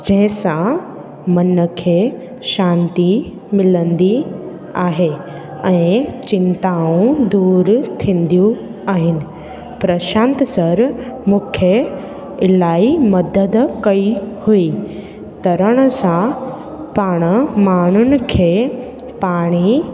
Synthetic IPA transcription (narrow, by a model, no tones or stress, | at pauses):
d͡ʑɐ̃ɦɪ̃sã | mɐnəkʰeː | ʃãːnt̪i | mɪlə̃nd̪i | aːɦe | ɛ̃ːt͡ɕɪ̃nt̪aːũd̪uːɾt̪ʰĩːn̆d̪ijũaːɦɪnɪ̆ | pɾɐʃãːnt̪sɐɾmũːkʰjə | ɪlaːimɐd̪əd̪kɐihui | t̪ɐɾəɽ̃əsã | paːɽ̃əmaːɳ̤ʊnɪ̆kʰeː | paːɽ̃i